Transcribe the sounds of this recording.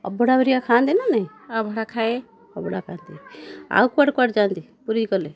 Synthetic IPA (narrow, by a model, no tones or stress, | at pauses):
ɔ̰bɔɽabɔɾijakʰand̪enanaj | ɔbʱɔɽakʰae | ɔbɔɽakʰaːnd̪ia̰wkaʈkaʈd͡ʒand̪i | puɾikɔle